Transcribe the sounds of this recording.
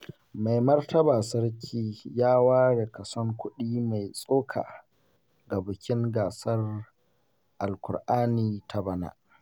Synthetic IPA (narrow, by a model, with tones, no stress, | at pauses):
ma˨jmɐ˦rtɐ˦baː˨sɐ˦rkʲʰiː˦jaː˦waː˦ɽe˨kɐ˨sɔ˦ŋkʷʊ˦ɗiː˦ma˨jsʼoː˦kʰa̰ː˨ | ɡa˨bʊ˨kʲɪ˦ŋɡaː˨sɐ˦r | ʔa˨lkʷʊ̰˨rʔaː˦niː˦tʰa˦bɐ˦na̰ː˨ʔ